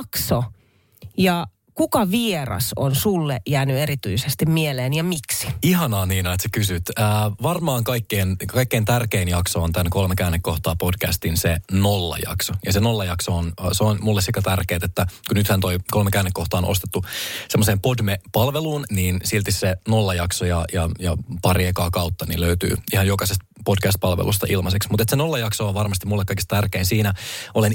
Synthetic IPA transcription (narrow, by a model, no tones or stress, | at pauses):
kso | jɑ | kukɑʋierɑ̰so̰nsulːḛʔjæːnyeɾit̪yisest̪immieleːnjɑmiksi̥ihɑnɑːniːnɑet̪se̥kysyt̪əːʋɑrmɑːŋkɑikːeːnkɑikːeːnt̪ærkeːnjɑksoːnt̪ænko̞lmekæːnːekːo̞ht̪ɑːpo̞dkæ̰st̪insenolːɑ̰jɑ̰ksojɑsenolːɑjɑksoːnːseonmulːesikæt̪ærkeːt̪et̪ːækunyt̪hænt̪oiko̞lmekæːnːekːoht̪ɑːnʔost̪et̪ːusemːoseːmpodmepɑlʋeluːnniːnsilt̪issenolːɑjɑksojɑjɑjɑpɑriɑkɑːkɑut̪ːɑnḭløyt̪y̰ːihɑjokɑsest̪̚ | podkæst̪̚pɑlʋḛlus̬t̪ɑʔilmɑseksmut̪et̪senolːɑjɑksoːʋɑrmɑst̪imulːekːɑijkist̪t̪ærkeinsiːnæolen